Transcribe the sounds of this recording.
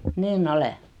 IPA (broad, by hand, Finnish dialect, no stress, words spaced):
niːnː ole